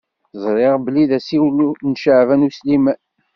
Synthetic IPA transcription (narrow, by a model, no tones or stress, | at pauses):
zˤɾˤeʁbəliðæsiwlunʃəʕvænuslimæ